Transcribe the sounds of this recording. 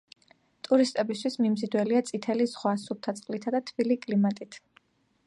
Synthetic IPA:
t̪ʼuɾist̪ʼɛbist̪ʰwismimzid̪wɛliat̪sʼit̪ʰɛlizʁwasup̚t̪ʰat̪sʼqʼlit̪ʰad̪at̪ʰb̥ilikʼlimat̪ʼit̪ʰ

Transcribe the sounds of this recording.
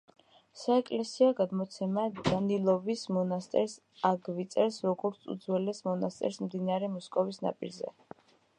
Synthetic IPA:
saɛkʼlɛsiaɡad̪mɔt̪sʰɛmad̪̥anilˠɔvismɔnast̪ʼɛɾs | aɡvit̪sʼɛɾsɾɔɡɔɾt̪sʰṵd̪zwɛlɛsmɔnast̪ʼɛ̰ɾsmd̪inaɾɛmɔskʼɔvisna̰pʼḭɾzɛ̰

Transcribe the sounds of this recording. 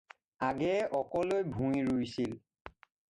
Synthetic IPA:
aɡɛɔkɔlojbʱũjɹujsil

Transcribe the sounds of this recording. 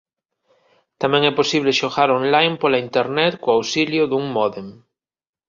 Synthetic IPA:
t̪amɛ̃ŋɛposiβ̞leʃoɣaɾonlajmpolaint̪eɾnet̪koawsiljoðuŋmɔðem

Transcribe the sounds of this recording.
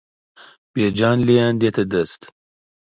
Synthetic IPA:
b̥ed͡ʒɑːnleand̪et̪ɐd̪ɐst̪

